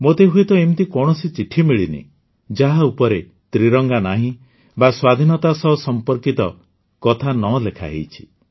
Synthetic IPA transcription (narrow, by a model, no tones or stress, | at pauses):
mot̪eɦuet̪ɔemt̪ikɔɽ̃ɔsit͡ʃiʈʰimiɭinḭ | d͡ʒaɦaupɔɾe | t̪ɾiɾɔŋɡanaɦĩ | baswad̪ʱinɔt̪asɔɦsɔmpɔɾkit̪ɔ | kɔt̪ʰanɔlekʰa̰ɦḛjt͡ʃʰi̥